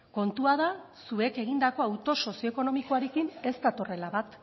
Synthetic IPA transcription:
ko̞nt̪uað̞asue̞ke̞ɣ̞ind̪ako̞awt̪o̞so̞sioekono̞miko̞aɾe̞kine̞st̪at̪o̞re̞laβat̪

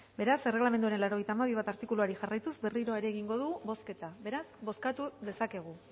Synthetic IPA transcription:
be̞ɾase̞re̞ɣlamend̪uaɾenlaɾo̞ɣe̞jt̪aːmaβ̞iβ̞at̪aɾt̪ikuluaɾiʝarajt̪uzbe̞riɾo̞aeɾeɣiŋɡo̞ðuuβo̞ske̞t̪aβe̞ɾasbo̞skat̪uðe̞sake̞ɣ̞u

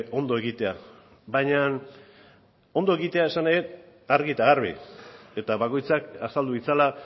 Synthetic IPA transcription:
o̞nd̪o̞e̞ɣit̪e̞a | βajɲan | o̞nd̪o̞e̞ɣit̪e̞ae̞sanajet̪ | aɾɣit̪aɣarβḭe̞t̪aβako̞jt͡sakasald̪uɣit͡sala

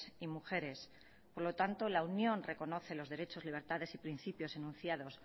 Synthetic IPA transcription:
imuxe̞ɾe̞s | poɾlo̞t̪ant̪olaunjõ̞nre̞ko̞no̞θe̞lo̞zðeɾe̞t͡ʃo̞zliβ̞e̞ɾt̪að̞e̞sipɾinθipjo̞senũnθjaðo̞s

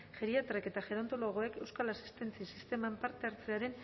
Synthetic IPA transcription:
ʝeɾiat̪ɾeke̞t̪axe̞ɾo̞nt̪o̞lo̞ɣ̞o̞e̞ke̞wskalasi̥st̪e̞nt͡sisist̪e̞mampaɾt̪e̞aɾt͡seaɾe̞n

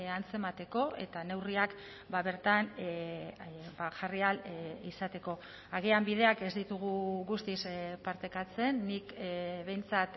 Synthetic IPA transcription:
ant͡se̞mat̪e̞ko̞ʔe̞̰t̪ane̞wriak | baβe̞ɾt̪an | baʝarialisat̪e̞ko̞ | aɣ̞iambið̞e̞ake̞zd̪it̪uɣ̞uɣust̪ispaɾt̪e̞kat͡se̞nːikβe̞jnt͡sat̪

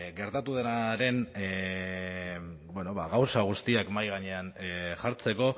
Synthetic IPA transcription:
ɣe̞ɾt̪at̪uðe̞naɾe̞n | bweno̞βaɣawsaɣ̞ust̪iakmajɣ̞aɲe̞anʝaɾt͡se̞ko̞

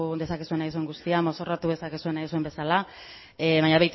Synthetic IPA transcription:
d̪e̞sakisue̞najsue̞ŋɡust̪iamo̞so̞rat̪uðesakesue̞najsue̞mbe̞sala | βaɲaβejt̪

